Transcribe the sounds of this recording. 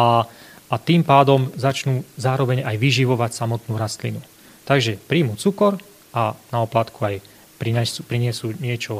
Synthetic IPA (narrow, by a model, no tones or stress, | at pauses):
a | at̪iːmpaːd̪ɔmzat͡ʃnuːzaːɾɔʋɛɲajʋiʒiʋɔʋacsamɔt̪nuːɾast̪linu | t̪aɡʒɛpɾiːmut͡sukɔɾ | ʔanaɔplat̪kuaj | pɾiɲɛsupɾiɲɪɛsuɲɪɛt͡ʃɔ